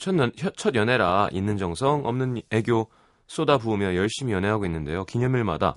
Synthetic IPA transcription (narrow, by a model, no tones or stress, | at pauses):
t͡ɕʰʌçʌt͡ɕʰʌdjʌne̞ɾaʔinːɯnd͡ʑʌŋsʰʌŋʌmnɯneɡjo | s͈odabuːmjʌjʌɭɕ͈imijʌnɦeɦaɡoinːɯnde̞̰jokiŋjʌmjuɭma̰da̰